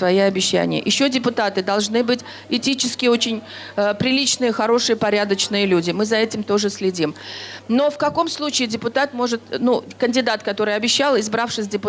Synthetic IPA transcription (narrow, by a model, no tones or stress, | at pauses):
vɐjiɐbʲɪɕːæ̰nʲɪjə̰ʔɪɕːo̞dʲɪpʊt̪at̪ɨd̪ɐlˠʐnɨbɨtʲ | ɪtʲit͡ɕɪskʲɪəot͡ɕɪnʲ | pɾʲɪlʲit͡ɕnɨjəxɐɾo̞ʂɨjəpɐɾʲad̪ət͡ɕnɨjəlʲudʲɪmɨzɐɛtʲɪmt̪o̞ʐɨsʲlʲɪdʲimno̞fkɐko̞mslˠut͡ɕɪːdʲɪpʊt̪at̪mo̞ʐɨt̪̚nukənʲdʲɪd̪at̪kɐt̪o̞ɾɨjɐbʲɪɕːalˠɪzbɾafʂɨsʲdʲɪpʊ